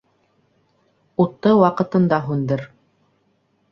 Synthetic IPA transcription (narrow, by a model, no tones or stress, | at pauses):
ut̪ːɤwɑqɤ̆t̪ɤ̆nd̪ɑɦʉnd̪ɘɾ